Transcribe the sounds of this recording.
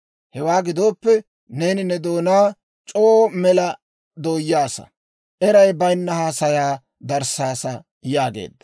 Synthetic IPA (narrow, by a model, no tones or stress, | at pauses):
hɛwaːɡɪd̪o̞ːpːɛ | ne̞ːnɪnɛd̪o̞ːnaː | t͡ʃʼoːmɛlɐ | d̪o̞ːjaːsɐ̰ | ʔɛɾɐjbɐjnːɐhaːsɐjaː | d̪ɐɾsaːsɐ | jaːɡḛːd̪ːɐ̥